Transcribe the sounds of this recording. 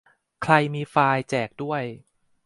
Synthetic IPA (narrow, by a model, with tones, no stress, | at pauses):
kʰɾa˧jmiː˧faː˧jt͡ɕɛː˨˩k̚du˥˩əj